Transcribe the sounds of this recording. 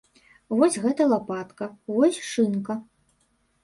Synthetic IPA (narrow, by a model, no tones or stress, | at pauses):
vɔsʲɣɛt̪ɐlˠapat̪kɐvɔsʲʂɨnkɐ